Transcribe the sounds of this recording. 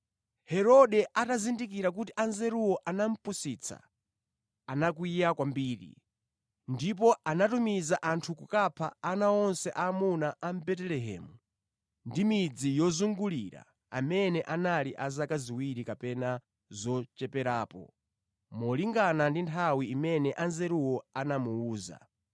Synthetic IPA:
hɛɾɔɗɛatazindik̬iɾak̬utiʔanzɛɾuwɔʔanam̩pusit͡sʰa̰ | anak̬uijakwambiːɾḭ | ndip̬ɔanatumizaʔantʰukukapʰa̰ːnaɔnsɛʔamunaʔːm̩bɛtɛlɛɦɛ̰ːmu | ndimid͡zijɔzuŋɡuliɾa̰ | a̰mɛnɛʔanaliʔazakaziwiɾikapɛna | zɔt͡ʃɛpɛɾaːpɔ̰ | mɔliŋɡanandintʰawiːmɛnɛʔanzɛɾuwɔanamuuːza̰

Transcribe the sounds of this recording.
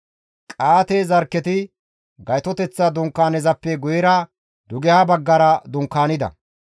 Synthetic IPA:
kʼaːt̪eːzɐɾkːɛt̪ɪ | ɡɐjt̪ɔt̪ɛt͡sːɐd̪ʊŋkːaːnɛzɐpːɛɡʊjɛɾɐ | d̪ʊɡɛhɐbɐɡːɐɾɐd̪ʊŋkːaːnɪd̪ɐ̰

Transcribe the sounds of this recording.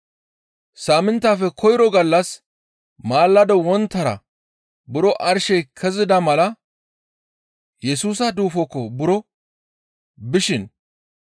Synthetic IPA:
saːmɪnt̪ːaːfɛkʰɔjɾɔɡɐlːɐs | maːlːɐd̪ɔwɔnt̪ːɐɾɐ̰ | bʊɾɔʔɐɾʃɛjkʰɛzɪd̪ɐmɐlɐ | jɛsuːsɐd̪uːfɔkːɔbʊɾɔ | bɪʃɪn

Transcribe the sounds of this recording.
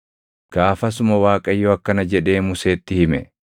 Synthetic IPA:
ɡ̥aːfɐs̬ʊmɐwaːkʼɐjːoɐkːɐnɐd͡ʒɛᶑe̞ːmʊse̞ːt̪ːɪhɪmɛ̰

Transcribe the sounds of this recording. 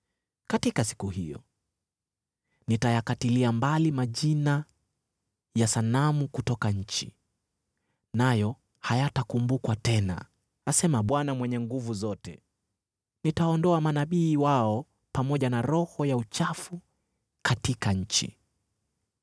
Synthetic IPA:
katikasi̥kuhijɔ̰ | nitajakatiliambalimaʄina | jasanamukutɔkaɲ̩t͡ʃḭ | najɔ | hajatakumbukwatɛna̰ | asɛmaɓwanamwɛɲɛŋɡuvuzɔtɛ | nitaɔndɔamanaɓiːwaɔ | pamɔʄanaɾɔhɔjaut͡ʃafu | katikaɲ̩t͡ʃḭ

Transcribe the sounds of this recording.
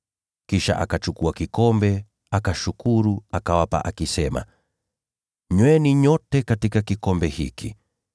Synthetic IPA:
kiʃa̰ʔa̰kat͡ʃukuakikɔmbɛ | akaʃukuɾuakawapa̰ʔakisɛma̰ | ɲwɛniɲɔtɛkatikakikɔmbɛhḭki

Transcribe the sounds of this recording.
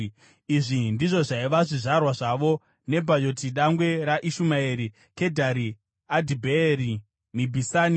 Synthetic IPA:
iʐindiʐo̞ʐaiʋaʐiʐarwaʐaʋo̞ | ne̞bʱad͡ʒo̞tiɗaŋɡwe̞ɾaʔiʃumaeɾi | ke̞dʱaɾi | adʱibʱeɾi | mibʱisani

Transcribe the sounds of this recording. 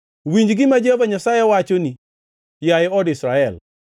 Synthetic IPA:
wiɲd͡ʒɡɪmad͡ʒevaɲasajewat͡ʃoni | jajɔdisɾaɛl

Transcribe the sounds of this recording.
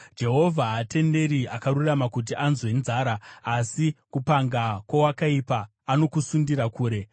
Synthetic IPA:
d͡ʒe̞ɦo̞vʱaɦːte̞nde̞ɾiakaruramakut̬iʔanzwe̞nzaːɾaːsikupaŋɡakwawakaipaː | no̞kusundiɾakuːɾe̞

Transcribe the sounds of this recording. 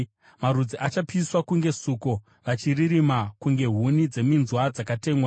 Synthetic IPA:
maɾud͡ziʔat͡ʃapiswakuŋɡe̞suko | ʋat͡ʃiriɾimakuŋɡe̞ɦunid͡ze̞minzwad͡zakate̞ːmwa

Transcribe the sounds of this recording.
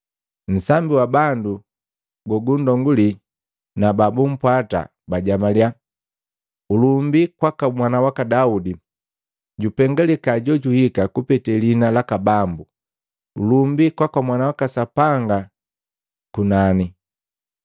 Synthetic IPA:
n̩sambiwabandu | ɡɔɡundɔŋɡuli | nababum̩pwata̰ | baɟamalja | ulumbikwakamwanawakadaudi | ɟupɛŋɡalɛkaɟɔɟuhikakupɛtɛlinalakabambu | ulumbikwakwamwanawakasapaŋɡa | kunani

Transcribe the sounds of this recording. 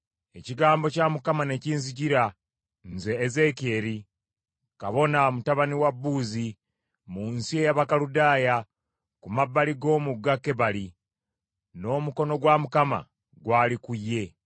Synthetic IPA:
e̞ciɡaːmbo̞camukamane̞ciːnz̬iciɾa | nze̞ːze̞ke̞ːɾi | kaβo̞namutaβaniwabːuːzi | muːnsie̞jaβakaludaːja | kumabːaliɡo̞ːmuɡːakːe̞βali | no̞ːmuko̞no̞ɡwamukama̰ | ɡwaːlikujːe̞

